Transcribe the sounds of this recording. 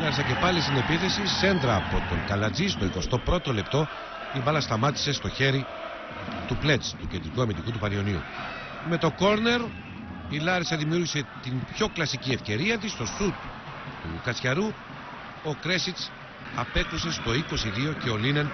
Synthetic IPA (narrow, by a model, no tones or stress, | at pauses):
lɐɾsɐce̞pɐlist̪ine̞piθe̞sise̞nd̪ɾɐːpo̞t̪o̞ŋkɐlɐd͡zist̪o̞iko̞st̪o̞pɾo̞t̪o̞le̞pt̪o̞ | t̪ibɐlɐst̪ɐmɐt̪i̥se̞st̪o̞çe̞ɾi | t̪uple̞t͡st̪ucend̪ɾikuɐmind̪ikut̪upɐɾio̞niṵ | me̞t̪o̞ko̞ɾne̞ɾ | ilɐɾesɐðimiuɾʝise̞t̪impço̞klɐsicie̞fce̞ɾiɐt̪̬ist̪o̞sut̪ | t̪ṵkɐt͡sçɐɾu | o̞kɾe̞sit̪s | ɐpe̞kuse̞st̪o̞iko̞siðio̞ce̞o̞linen